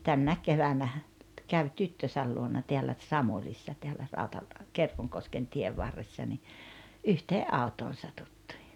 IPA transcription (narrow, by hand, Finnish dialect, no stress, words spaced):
tænːæek keʋænæhæ kæʋ tytːøsæl luonɑ teælːæ t̆sɑmulisːɑ teælːæ rɑutɑl kerkoŋkosken tieʋ ʋɑrːesːɑ ni yhteːʔ ʔɑutoːn̞ sɑtutːi̥ː